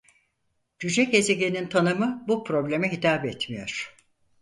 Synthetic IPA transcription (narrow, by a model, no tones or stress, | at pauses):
d͡ʒyd͡ʒɛce̞ze̞ɟenint̪ʰanɯmɯbupʰɾo̞blʲe̞mɛɦit̪ʰaːbɛt̪mijo̞̰ɾ̥